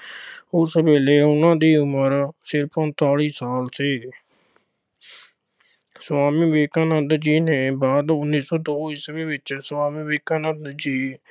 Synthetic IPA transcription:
ʊsbeːleːʊnãːd̪iːʊməɾsɪɾpə̃nt̪aːɽiːsaːlseː | swaːmĩːʋeːkãːnəd̪d͡ʒiːneːbaːd̪ʊnːĩːsɔːd̪oːisbeːʋɪt͡ʃswaːmĩːʋeːkaːnəd̪d͡ʒiː

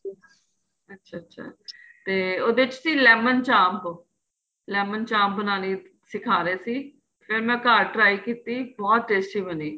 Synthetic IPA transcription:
ətːʃʰaːtːʃʰa̰ːt̪eːoːd̪eɪt͡ʃsiːlɛːmənt͡ʃãːmp | lɛːmənt͡ʃãːmp̚bənaːniː | sɪkʰaːɾeːsiː | pʰɪɾmɛ̃ːkaːɾʈɾaːikiːt̪iːbɔːt̪ʈeːsʈiːʋəniː

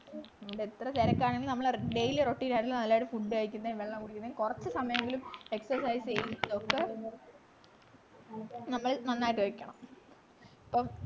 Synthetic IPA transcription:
ʋuɖeet̪rɐteɾɐkːaːɳeŋɡilnɐmːɐɭɖejileroʈːiːnaːeŋɡilnɐlːaːjuɽɨfuɖːɨɐɻikʲːunːɐʋeɭːɐmkuɽikʲːunːɐikurɐt͡ɕːɨsɐmɐjɐŋɡilume̞ksɐrsajsejiðokːe | nɐmːɐɭnɐnːaːjiʈːɨɐrikʲːɐɳɐm | ipːoː

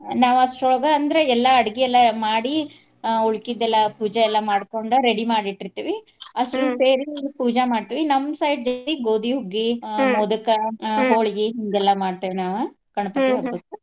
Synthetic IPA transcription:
naːʋɐsʈoɭɡɐːnd̪ɐɾeɛlːɐɐɽiɡiɛlːɐmaːɽi | oɭkid̪ɛlːɐpuːd͡ʒɐɛlːɐmaːɽkoɳɖuɾeɽimaːɽiʈːiɾt̪iːʋi | ɐʂʈuseːɾipuːd͡ʒɐmaːɖt̪iːʋinɐmːsɐjʈ̚d͡ʒoiɡoːd̪iɦuɡːimɔd̪ukɐɦoːɭɡiɦiŋɡɛlːɐmaːɽt̪iʋinaːʋu | kɐɳɐpɐk̪ɐɐoːt̪u

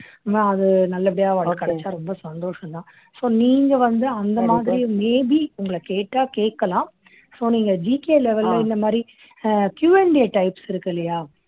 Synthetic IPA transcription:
ɐðɯnɐlːɐpɪɽɪjaːɐːɽkɐɽɛt͡ʃːaːɾɔmbɐsɐnd̪oːʂɐ̃nt̪ãː | soːniːŋɡɐʋɐnd̪ɯɐnd̪ɐmaːðɪɾɪjʊ̃meːbiʊŋɡɐɭɐkeːʈːaːkeːkːɐlãː | soːniːŋɡɐd͡ʒiːkeːlɛʋɛllɐɪnd̪ɐmaːd̪ɾi | kjuːɛɳɖɪjɐʈɐɪpsɪɾɯkːɪlːɐjaː

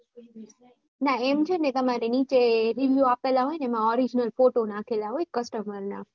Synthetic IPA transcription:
naemt͡ʃʰenet̪əmaɾenit͡ʃeɾiʋjuapelaɦojnemãɔɾid͡ʒnəlfoʈonãkʰelaɦojkəsʈəməɾna̰

